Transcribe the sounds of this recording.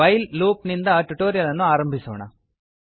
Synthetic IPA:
ɐjlluːpnind̪ɐʈuʈoːɾijɐlɐnːuaːɾɐmbʱisoːɳɐ̰

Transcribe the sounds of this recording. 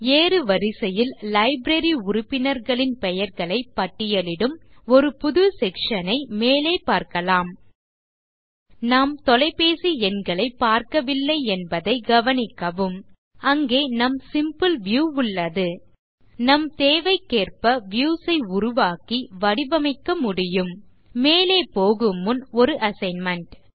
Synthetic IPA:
eːɾɯʋɐɾɪsɐjɪllɐɪbɾɐɾiʊɾʊpːɪnɐɾɣɐɭɪnpɛjɐɾɣɐɭɐɪpːɐʈːɪjɐlɪɽɯmɔɾɯpʊðɯsɛkʂɐnɐɪmeːleːpaːɾkɐlaːm | naːmt̪ɔlɐɪpeːsiɛnɡɐɭɐɪpːaːɾkɐʋɪlːɐɪɛnbɐðɐɪɡɐʋɐnɪkːɐʋɯm | ɐŋɡeːnɐmsɪmpɯlʋjuːʊɭːɐðɯ | nɐmt̪eːʋɐɪkːeːrpɐʋjuːsɐɪʊɾʊʋaːkiʋɐɽɪbɐmɐɪkːɐmʊɽɪjɯmː | eːleːpoːɣɯmɯnɔɾɯʔɐsɐɪnmɐɳʈ

